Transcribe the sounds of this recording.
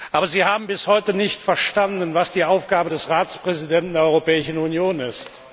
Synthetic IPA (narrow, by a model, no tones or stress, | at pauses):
ʔʔaːbɐziːhaːbm̩bɪshɔʏtənɪçtfɛɐʃtandənvasd̥iːʔaʊfɡ̥aːbədɛsʁaːt͡spʁ̥ɛzidɛntn̩deːɐɔʏʁopɛːɪʃn̩unjoːnɪst